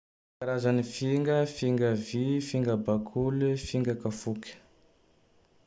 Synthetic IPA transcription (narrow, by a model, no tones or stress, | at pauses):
kaɾazanifiŋɡəfiŋɡəvifiŋɡəbakʰulifiŋɡakafukʲə̥